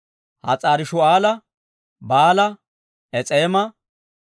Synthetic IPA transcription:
hɐ̰t͡sʼaːɾɪʃʊaːlɐ | baːlɐ | ʔɛt͡sʼeːmɐ

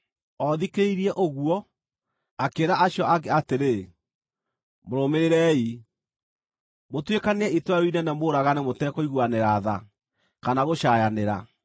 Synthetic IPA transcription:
ɔðikeiɾiɛʔoɣuɔ | akeɾaaɕjɔakeateɾe | moɾomeɾeɾɛi | motwekaneɛitwaɾoinɛnɛmoːɾaɣanemotɛkɔiɣwaneɾaða | kanaɣoʃajaneɾa

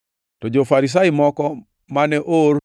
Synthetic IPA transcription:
tɔd͡ʒofaɾis̬aɪmɔkɔ | manɛʔor

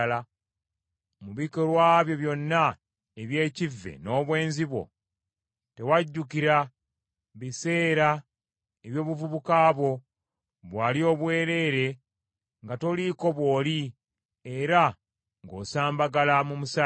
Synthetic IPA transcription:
la | muβikoɾwaːβjo̞βjo̞nːa | eβje̞ːcivːe̞̰no̞ːβwe̞ːnziβwo̞̰ | te̞waɟːukiɾa | βise̞ːɾa | eβjo̞ːβuvuβukaːβo̞ | βwaːlio̞ːβwe̞ːɾe̞ːɾe̞ | ŋɡato̞liko̞βwo̞ːli | eɾa | ŋɡo̞̰ːsaːmbaɡalamumusa

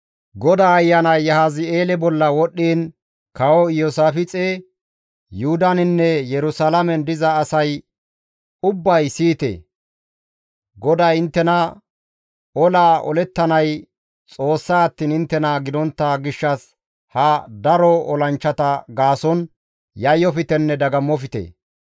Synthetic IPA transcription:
ɡɔd̪aːjːɐnɐjːɐhaːzɪe̞ːlɛbɔlːɐwɔɗːiːn | kɐwɔjosaːfɪt͡sʼe | jʊhʊd̪ɐnɪnːɛjɛɾʊsalɐmɛnd̪ɪzɐːsɐj | ʊbːɐjsiːt̪ḛ | ɡɔd̪ɐjɪnt̪ːɛnɐ | ɔlaːʔɔ̰lɛt̪ːɐnɐj | t͡sʼo̞ːsːaːɐt̪ːiːnɪnt̪ːɛnɐɡɪd̪ɔnt̪ːɐɡɪʃːɐs | hɐd̪ɐɾɔɔlɐnt͡ʃːɐt̪ɐɡaːsɔn | jɐjːɔfɪt̪ɛnːɛd̪ɐɡɐmːɔfɪt̪ḛ

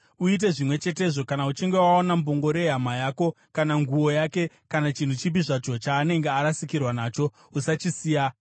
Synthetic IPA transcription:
uit̬e̞ʐimwe̞t͡ʃe̞te̞ʐo̞kanaut͡ʃiŋɡe̞waonamboŋɡo̞ɾe̞ɦamajaːko̞ | kanaŋɡuo̞jake̞ | kanat͡ʃin̤ut͡ʃip̬iʐat͡ʃo̞t͡ʃaːne̞ŋɡeaɾasikirwanaːt͡ʃo̞ | usat͡ʃisiːja

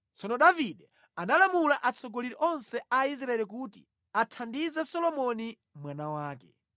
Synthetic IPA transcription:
t͡sɔnɔɗaviɗɛ | analamulaʔat͡sʰɔɡɔliɾiʔɔnsɛais̬ɾaɛlik̬uːtḭ | atʰandizɛsɔlɔmɔni | mwanawaːkɛ

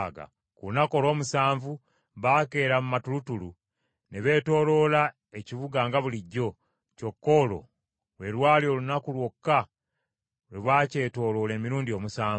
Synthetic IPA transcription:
ɡa̰ | kuunako̞lo̞ːmusaːɱvu | βake̞ːɾamumatulutulu | neβe̞ːto̞ːlo̞la | e̞ciβuɡaːŋɡaβuliɟːo̞ | co̞kːo̞lo̞̰ | we̞lwaːlio̞lunakulwo̞kːa | leβwace̞to̞ːlo̞le̞ːmiɾuːndio̞ːmusaː

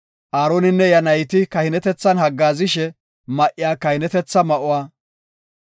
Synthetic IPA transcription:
ʔaːɾoːnɪnːɛjɐnɐjt̪ɪkɐhɪnɛt̪ɛt͡sːɐnhɐɡːaːzɪʃɛ | mɐʔɪjaːkɐhɪnɛt̪ɛt͡sːɐmɐʔʊwaː

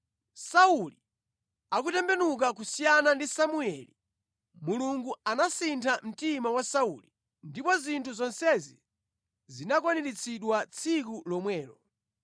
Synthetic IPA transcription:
sauli | ak̬utɛmbɛnuk̬ak̬usijanandisamuɛlḭ | muluŋɡuanasintʰam̩timawasauli | ndipɔzintʰuzɔnsɛzḭ | zinak̬wanɛɾit͡sʰiɗwat͡sʰikulɔmwɛːlɔ

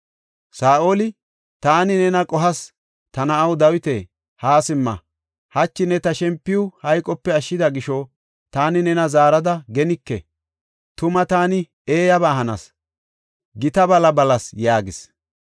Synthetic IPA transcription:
saːʔolɪ | t̪aːnɪnɛnɐkʼɔɦɐs | t̪ɐnɐɐwd̪ɐwɪt̪eː | haːsɪmːɐ̰ | hɐt͡ʃːɪnɛt̪ɐʃɛmpːɪjʊhɐjkʼːɔpːɛɐʃːɪd̪ɐɡɪʃɔ | t̪aːnɪnɛnɐzaːɾɐd̪ɐɡɛnɪkːɛ | t̪ʊmɐt̪aːnɪ | eːjɐbaːɦɐnɐ̰s | ɡɪt̪ɐbɐlɐbɐlɐsjaːɡɪs

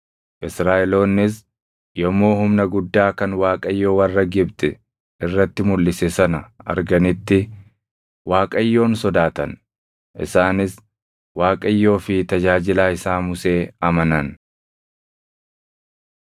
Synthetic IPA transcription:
ʔɪsɾaːʔɛlo̞ːnːɪs | jɔmo̞ːhʊmnɐɡʊd̪ːaːkɐnwaːkʼɐjːo̞ːwɐrːɐɡɪbt̪ɛ | ɪrːɐt̪ːɪmʊlːɪsɛsɐnɐɐ̰ɾɡɐnɪt̪ːɪ | waːkʼɐjːo̞ːnsɔd̪aːt̪ɐn | ʔɪ̰saːnɪs | waːkʼɐjːo̞ːfɪt̪ɐd͡ʒaːd͡ʒɪlaːɪsaːmʊse̞ːɐmɐnɐn

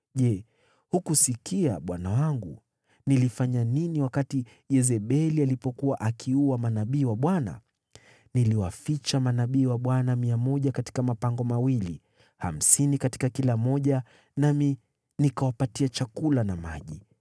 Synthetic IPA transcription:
ʄɛ | hukusikiaɓwanawaŋɡu | nilifaɲaniniwakati | jɛzɛɓɛlialipɔkuwaʔakʰiuwamanaɓiːwaɓwana̰ | niliwafit͡ʃamanaɓiːwaɓwanamiamɔʄakati̥kamapaŋɡɔmawili | ha̰m̩sinikati̥kakilamɔʄa | nami | nikawapatiat͡ʃakulanama̰ʄi

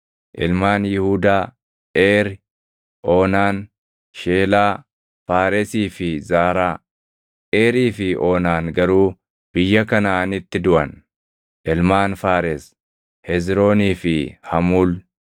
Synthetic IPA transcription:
ʔɪlmaːnjɪhuːd̪aː | ʔeːɾɪ | ʔoːnaːn | ʃeːlaː | faːɾɛsiːfɪzaːɾaː | ʔeːɾiːfɪʔoːnaːnɡɐɾuː | b̥ɪjːɐkɐnaɐnɪt̪ːɪd̪ʊʔɐn | ʔɪlmaːnfaːɾɛs | hɛzɾo̞ːniːfɪhɐmuːl

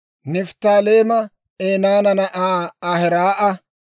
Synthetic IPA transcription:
nɪft̪aːleːmɐ | eːnaːnɐnɐʔaːɐhɛɾaːʔɐ

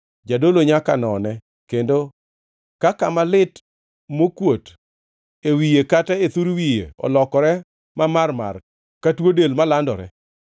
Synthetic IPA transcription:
d͡ʒadoloɲakanɔnɛ | kendo | kakamalɪt | mokwot | ewijekatɛet̪uɾwijḛɔ̰lɔkɔɾɛ | mamarma̰r | katwodelmalandɔɾɛ̰

